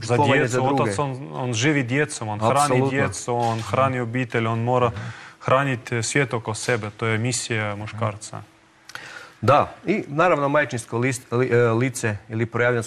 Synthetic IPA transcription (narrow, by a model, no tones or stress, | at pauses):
zadojaeszad̪ouasononʒiʋid̪ʲjet̪somonaɾanolˠudt̪jet̪suonxɾanʲiobʲit̪elʲonmoɾɐxɾanʲit̪ʲsvʲet̪okosɛbɛt̪ojɛmʲisʲijamʊʃkaɾt̪sɐ̰ | d̪ainaɾaʋnomajt͡ʃinsko | lit̪sɛilipɾojaʋʎʲans